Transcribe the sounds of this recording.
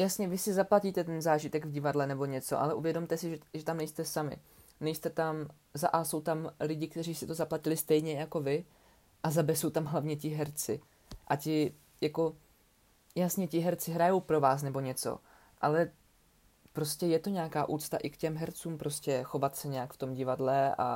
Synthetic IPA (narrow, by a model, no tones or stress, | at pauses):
jasɲɛvɪsɪzaplaciːt̪ɛt̪ɛnzaːʒɪt̪ɛɡvɟɪvadlɛnɛbo̞ɲɛt͡so̞̰ʔa̰lɛʔuvjɛdo̞mt̪ɛsɪʒɛʒɛt̪amnɛjst̪ɛsamɪ̰ | nɛjst̪ɛt̪am | za̰ʔaso̞wt̪amlɪɟɪk̚t̪ɛriːsit̪o̞zaplacɪlɪst̪ɛjɲɛjako̞vɪ | ʔazabɛso̞wt̪amɦlavɲɛcɪɦɛɾt͡sɪ̰ | ʔacɪ | jako̞ | jasɲɛcɪɦɛɾt͡sɪɦɾajo̞wpɾo̞vaːs̬nɛbo̞ɲɛt͡so̰ | ʔa̰lɛ | pɾo̞scɛjɛt̪oɲɛakaːʔuːt̪t͡st̪a̰ʔɪkcɛmɦɛɾt͡suːmpɾʔo̞scɛxo̞vat̪sɛɲɛjakft̪o̞mɟɪvadlɛʔa̰